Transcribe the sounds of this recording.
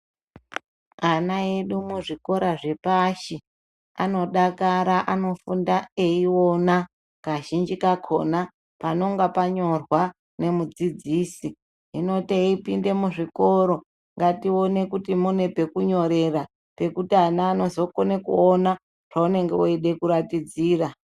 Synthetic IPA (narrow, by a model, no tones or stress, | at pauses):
anaeɗumuʐiko̞ɾaʐe̞paʃi | a̰no̞ɗakaɾaʔano̞fundae̞io̞na | kaʒind͡ʒikakʰo̞̰na | pano̞ŋɡapaɲo̞rwa | ne̞mud͡zid͡ziːsi | ɦino̞teipinde̞muʐiko̞ɾo̞ | ŋɡatio̞ne̞kutimune̞pe̞kuɲo̞ɾe̞ra | pe̞kutianaːno̞zo̞konekuona | ʐ̥aune̞ŋɡeoeɗe̞kuɾatid͡ziːra